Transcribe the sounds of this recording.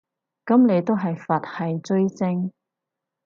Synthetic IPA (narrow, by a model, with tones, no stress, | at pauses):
kɐ˨˥mne˨˧jt̪o˥wɦɐ˨jfɐ˨t̚hɐ˨jt͡sɵ˥ɥt͡sɪ˥ŋ